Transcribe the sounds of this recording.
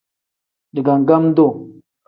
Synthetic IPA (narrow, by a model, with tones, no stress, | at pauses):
di˨ɡa˨ŋ˨ɡa˦m˦do˦˨